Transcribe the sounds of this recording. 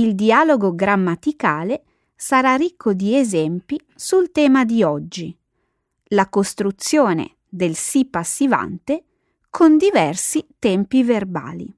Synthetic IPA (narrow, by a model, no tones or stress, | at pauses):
ild̪ialoɡoɡɾamːat̪ikaːle | saɾarikʰːod̪iezɛmpi | sult̪ɛːmad̪iɔd͡ʒːi | lakost̪ɾut̪sːjoːnḛ | d̪elsipːasːiva̰nt̪e | kʰond̪ivɛrsit̪ɛmpiverba̰ːlḭ